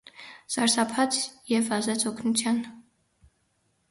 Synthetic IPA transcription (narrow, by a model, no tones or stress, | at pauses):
sɑɾsɑpʰɑt͡sʰjɛvɑzɛt͡sʰɔkʰnut͡sʰjɑn